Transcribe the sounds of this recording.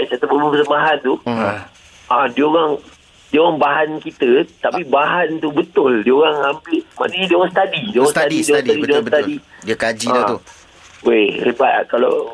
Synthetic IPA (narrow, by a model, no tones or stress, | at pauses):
asat̪abəmuŋkət̪əmbaɦant̪u | ʔãdioɾaŋ | dioɣaŋbaɦankit̪ət̪apibaɦant̪ubət̪ʊldioɣaŋampɪma̰niɲadioɣaŋst̪adidioɣaŋsadisdiadt̪adidioɣãŋt̪adidiakad͡ʒiã | erepa̰ʔkala̰